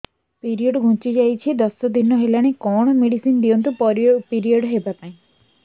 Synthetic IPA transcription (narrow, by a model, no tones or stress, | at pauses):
piɾioɖɡʱũt͡ʃid͡ʒajt͡ʃʰid̪ɔsɔd̪inɔɦelaɽ̃ekɔɽ̃ɔmeɽisind̪ijɔnt̪̬upɔɾpiɾioɖɦebat̪aĩ